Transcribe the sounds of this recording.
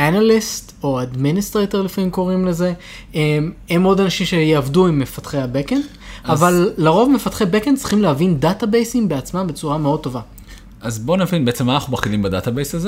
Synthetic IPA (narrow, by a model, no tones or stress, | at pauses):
analist | o̞ad̪ministʁetoʁlifamimko̞ʁimle̞ze̞ | ememo̞danaʃimʃejeavduimːefat̪χehabeken | avalːeʁo̞vme̞fatχebekent͡sʁi̥χimlehavindatabejsimbe̞at͡smambe̞t͡suʁameo̞d̪̚t̪ːo̞va | ʔazbo̞navinbeet͡semanaχubaχilimbada̰t̪abejsaze